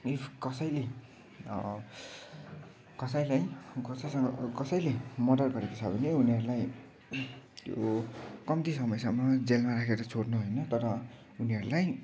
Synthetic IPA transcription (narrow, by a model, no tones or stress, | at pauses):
ikʌsʌjle | kʌsʌjlajkʌsʌjsʌŋɡʌkʌsʌjlemʌdʌrɡʌɾekot͡sʰʌbʌneuniʌɾulaj | t̪jokʌmt̪isʌmʌjsʌmːʌd͡zelmaɾakʰeɾʌt͡sʰoɽnuɦojnʌt̪ʌɾʌ | uniʌɾulaj